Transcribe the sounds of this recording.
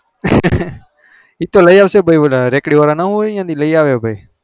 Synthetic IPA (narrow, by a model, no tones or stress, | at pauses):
iːt̪oːləiaːʋseobʱəiːolɾeːkɽiːʋaːɾaːnaɦoːãːd̪iləiːaːʋeːbʱəiː